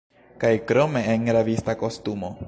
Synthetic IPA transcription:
kajkɾo̞me̞ːŋɾavistako̞stumo̞

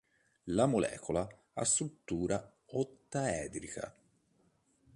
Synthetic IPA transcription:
lamolɛ̰ːkʰola | a̰st̪ɾut̪ːuːɾa | ot̪ːaɛːd̪ɾikʰa̰

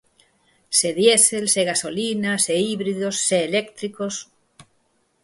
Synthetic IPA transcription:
seðjeselseɣasolinaseiβɾiðosːeːlekt̪ɾikos

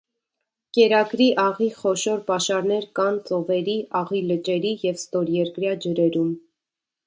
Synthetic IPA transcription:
kɛɾɑɡɾiʔɑʁiχɔʃɔɾpɑʃɑɾn̪ɛɾkɑnt͡sɔvɛɾiʔɑʁilət͡ʃɛɾijɛvst̪ɔɾjɛɾkɾjɑd͡ʒəɾɛɾum

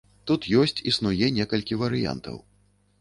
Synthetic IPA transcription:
t̪ut̪jɔsʲt͡sʲisnujɛnʲɛkɐlʲkʲivɐɾɨja̰nt̪ɐ̰w

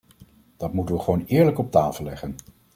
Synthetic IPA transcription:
d̥ɑtmutənʋəχəʋownɪːɹləkɔp̚taːfəlːɛχən

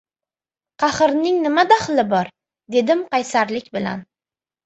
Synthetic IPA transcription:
qʰɑχɨɾnɪŋnɪmad̪aχlɪbɒɾ | d̪e̞d̪ɪmqɑjsaɾlɪkʲbɪla̰n

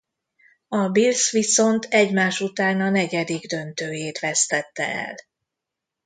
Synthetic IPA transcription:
ɒbilsʋiso̞nt̪ʰɛɟmaːʃut̪aːnɒnɛɟɛd̪iɡd̪ø̞nt̪øːjeːt̪ʋɛst̪ɛt̪ːɛ̰ɛ̰l

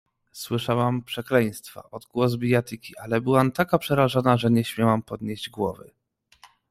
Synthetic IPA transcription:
swɘʂawampʂɛklɛj̃st̪fa̰ʔɔd̪ɡwɔzbʲijat̪ikʲiʔalɛbɘwamt̪akapʂɛɾaʐanaʐɛɲɛɕmʲjawampɔd̪ɲeʑd͡ʑɡwɔvɘ̰

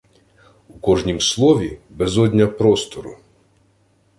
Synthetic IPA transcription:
ukɔʐnʲimslˠɔvʲibɛzɔd̪ʲnʲɐpɾɔst̪ɔɾṵ

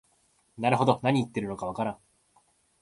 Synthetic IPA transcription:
naɾɯ̟ɦo̞d̪o̞naɲ̟iːt̪ːe̞ɾɯ̟no̞kaβ̞akaɾãŋ

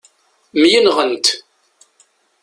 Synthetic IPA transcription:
mjənʁənt̪

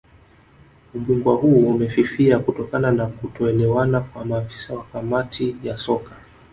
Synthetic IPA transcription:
uʄuŋɡwahuumɛfifiakutɔkananakutɔɛlɛwanakwamaːfi̥sawakamatʰijasɔkḁ

